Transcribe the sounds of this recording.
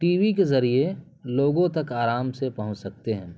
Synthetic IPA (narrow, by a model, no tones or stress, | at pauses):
ʈiːʋik̬ezɐɾie | loːɡõt̪ɐkaːɾaːmsepɐɦʊ̃t͡ʃsɐk̚t̪eɦɛ̃ː